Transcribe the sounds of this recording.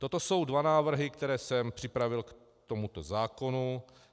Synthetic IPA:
t̪o̞t̪o̞so̞wdvanaːvr̩ɦɪkt̪ɛɾɛːsɛmpr̥ɪpɾavɪlk | t̪o̞mut̪ozaːko̞nu

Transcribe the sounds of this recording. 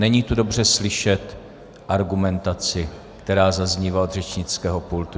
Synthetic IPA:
nɛɲiːt̪udo̞br̝ɛslɪʃɛt̪ | ʔaɾɡumɛnt̪at͡sɪ | kt̪ɛɾaːzazɲiːvaod̪r̝ɛt͡ʃɲɪt͡skɛːɦo̞pult̪u

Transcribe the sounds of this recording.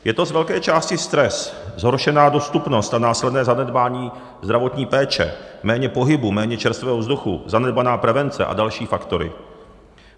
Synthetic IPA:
jɛt̪o̞zvɛlkɛːt͡ʃaːscɪst̪ɾɛszɦoɾʃɛnaːdo̞st̪upno̞st̪anaːslɛdnɛːzanɛdbaːɲiː | zd̪ɾavo̞t̪ɲiːpɛːt͡ʃɛ̰mɛːɲɛpo̞ɦɪbumɛːɲɛt͡ʃɛɾst̪vɛːɦovzduxṵzanɛd̚banaːpɾɛvɛnt͡sɛ̰ʔa̰dalʃiːfakt̪o̞ɾɪ̰

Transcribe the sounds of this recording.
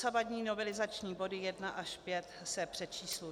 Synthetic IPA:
sabadɲiːno̞vɛlɪzat͡ʃɲiːbo̞dɪjɛdnaʔaʃpjɛt̪sɛpr̝̥ɛt͡ʃiːslu

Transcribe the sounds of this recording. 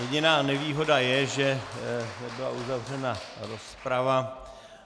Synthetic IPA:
jɛɟɪnaːnɛviːɦo̞dajɛʒɛnɛbɪla̰ʔuzavr̝ɛnaɾospɾava

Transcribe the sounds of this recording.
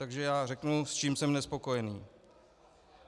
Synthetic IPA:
t̪aɡʒɛjaːrɛknust͡ʃiːmsɛmnɛspo̞ko̞jɛniː

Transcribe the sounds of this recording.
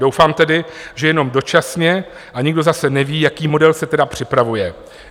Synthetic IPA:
do̞wfaːmt̪ɛdɪʒɛjɛno̞mdo̞t͡ʃasɲɛ | ʔaɲɪɡdo̞zasɛnɛviːjakiːmo̞dɛlsɛt̪ɛdapr̝̥ɪpɾavujɛ

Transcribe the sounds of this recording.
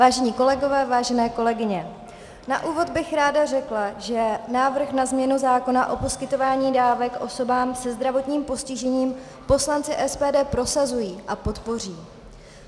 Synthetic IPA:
vaːʒɛɲiːko̞lɛɡo̞vɛːvaːʒɛnɛːko̞lɛɡɪɲɛ | na̰ʔuːvo̞d̪bɪxɾaːdarɛklaʒɛnaːvr̩xnazmɲɛnuzaːko̞naʔo̞po̞skɪt̪o̞vaːɲiːdaːvɛkʔo̞so̞baːmsɛzd̪ɾavo̞t̪ɲiːmpo̞scɪʒɛɲiːm | po̞slant͡sɪʔɛspɛːdɛːpɾo̞sazujiːʔapo̞t̪po̞r̝iː

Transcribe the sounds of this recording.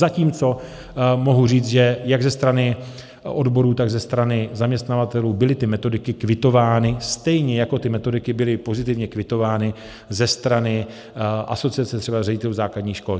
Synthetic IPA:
zaciːmt͡so̞ | mo̞ɦuriːt͡sʒɛjaɡzɛst̪ɾanɪ | ʔo̞dbo̞ɾuːt̪aɡzɛst̪ɾanɪzamɲɛst̪navat̪ɛluːbɪlɪt̪ɪmɛt̪o̞dɪkɪkvɪt̪o̞vaːnɪst̪ɛjɲɛjako̞t̪ɪmɛt̪o̞dɪkɪbɪlɪpo̞zɪt̪ɪvɲɛkvɪt̪o̞vaːnɪ | zɛst̪ɾanɪ | ʔaso̞t͡sɪat͡sɛt̪r̝ɛbarɛɟɪt̪ɛluzaːkladɲiːxʃko̞l

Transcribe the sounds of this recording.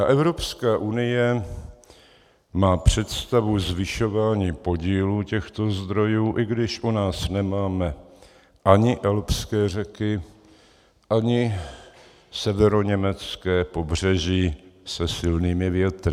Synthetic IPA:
ʔɛvɾo̞pskaːʔunɪjɛ | maːpr̝̥ɛt̪st̪avuzvɪʃo̞vaːɲiːpo̞ɟiːluːcɛxt̪o̞zd̪ɾo̞juːʔɪɡdɪʃʔunaːsnɛmaːmɛ | ʔaɲɪʔɛlpskɛːr̝ɛkɪ | ʔaɲɪ | sɛvɛɾo̞ɲɛmɛt͡skɛːpo̞br̝ɛʒiːsɛsɪlniːmɪvjɛt̪ɾɪ

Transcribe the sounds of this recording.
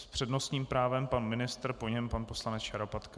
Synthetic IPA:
spr̝̥ɛdno̞st̪ɲiːmpɾaːvɛmpanmɪnɪst̪ɾpo̞ɲɛmpanposlanɛt͡sjaɾopat̪k

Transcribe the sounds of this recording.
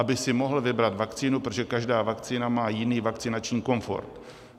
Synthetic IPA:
abɪsɪmo̞ɦl̩vɪbɾat̪vakt͡siːnupɾot̪oʒɛkaʒdaːvakt͡siːnamaːjɪniːvakt͡sɪnat͡ʃɲiːko̞ɱfo̞̰ɾt̪

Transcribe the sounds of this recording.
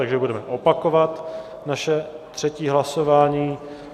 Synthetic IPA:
aɡʒɛbudɛmɛʔopakovat̪ | naʃɛt̪r̝̥ɛciːɦlaso̞vaːɲiː

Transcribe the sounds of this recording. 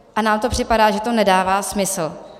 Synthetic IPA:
ʔanaːmt̪opr̝̥ɪpadaːʒɛt̪o̞nɛdaːvaːsmɪsl̩

